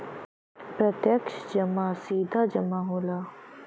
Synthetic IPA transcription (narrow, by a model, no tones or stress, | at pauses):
pɾət̪jɐkʃd͡ʒəmasiːd̪ʱaːd͡ʒəmaːɦoːlaː